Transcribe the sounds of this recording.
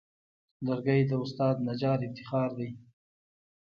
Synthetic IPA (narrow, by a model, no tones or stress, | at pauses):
laɾɡəjd̪əʊst̪ɑːd̪̚nad͡ʒɑːɾɪft̪ɪxɑːɾd̪aj